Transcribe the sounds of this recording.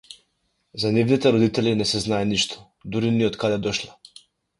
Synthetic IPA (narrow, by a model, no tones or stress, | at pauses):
zanivnit̪ɛɾɔd̪it̪ɛlinɛsɛznajɛniʃt̪ʰɔ̥ | d̪uɾiniɔt̪kad̪ɛd̪ɔʃlˠa